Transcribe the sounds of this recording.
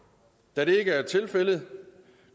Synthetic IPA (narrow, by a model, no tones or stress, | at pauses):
d̥æɾ̥e̝e̝ɡəæɐt͡sʰe̝lfel̰ð̩ˠ